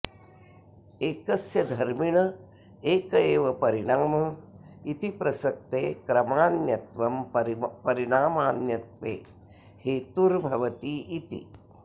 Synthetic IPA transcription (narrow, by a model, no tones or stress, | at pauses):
eːkɐsjɐd̪ʱɐɾmiɳɐ | eːkɐeːʋɐpɐɾiɽaːmɐit̪ipɾɐsɐk̚t̪eːkɾɐmaːnjɐt̪ʋɐmpɐɾiɽaːmaːnjɐt̪ʋeː | heːt̪uɾbʱɐʋɐt̪iit̪ḭ